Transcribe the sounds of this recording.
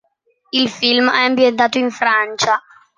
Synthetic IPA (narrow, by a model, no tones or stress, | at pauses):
ilfilmɛambjent̪̬aːt̪oiɱfɾant͡ʃa